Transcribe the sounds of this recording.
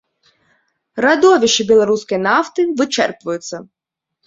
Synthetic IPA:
ɾɐd̪ɔʋʲiʃt͡ʃɪbʲilˠɐɾusʲkɪjnɑft̪ɪʋɪt͡ʃɛ̰rpʋʊjʊt͡sʲːɐ

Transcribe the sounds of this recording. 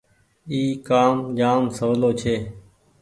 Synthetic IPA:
iːkaːmd͡ʒaːmsəʋloːt͡ʃʰeː

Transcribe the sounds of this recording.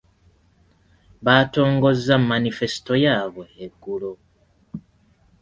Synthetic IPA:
βato̞ːŋɡo̞zːammːanife̞si̥to̞jaːβe̞ːɡːulo

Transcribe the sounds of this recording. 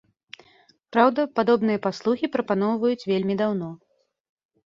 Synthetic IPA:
pɾawd̪ɐpad̪ɔbnɨjɐpaslˠuxʲipɾɐpan̪ɔwvɐjut͡sʲvʲelʲmʲid̪awn̪ɔ

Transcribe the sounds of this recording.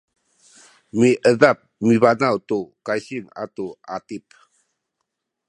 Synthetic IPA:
miʔəðap̚miβanawtukajɕiŋa̰tua̰tip

